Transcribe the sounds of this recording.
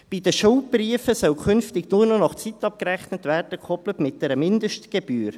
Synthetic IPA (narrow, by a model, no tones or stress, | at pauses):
b̥idəʃʊwbriəfəsœwkʰʏnftɪɡnuːrnɔnɑχt͡sit̪ːɑp̚kəɾæχnətværd̥əkʰɔplətmɪt̚d̥ɛɾəmɪnd̪əʃtɡ̥eb̥yːɾ